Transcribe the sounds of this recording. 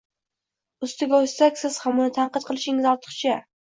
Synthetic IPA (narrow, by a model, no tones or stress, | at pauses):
ʊst̪ɪɡʲaʊj̪sakʲsɪz̥hamʊnɪt̪ʰaɴqɨt̪̚qʰɨlˠɪʃɪŋɪzɒlt̪ʰɨ̥χt͡ʃʰa